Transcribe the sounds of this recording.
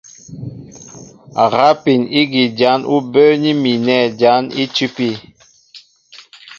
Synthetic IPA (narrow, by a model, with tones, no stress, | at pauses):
a̰˨ɣa˦pi˨ni˦ɡi˨d͡ʒa˨˦nu˦bə˦ni˦mi˨nɛ˦˨d͡ʒa˨˦ni˦t͡ʃʉ˦pi˦